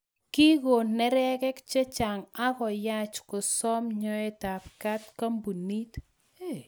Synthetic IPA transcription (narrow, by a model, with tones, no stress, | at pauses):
ki˦ɡo˨nɛ˦ɾɛ˦kɛ˦kt͡ʃe˦t͡ʃa˨ŋa˦kɔ˨ja˦t͡ʃko˨sɔ˦mɲɔ˦ɛ˦ta˨pka˦tka˦mbu˨ni˦t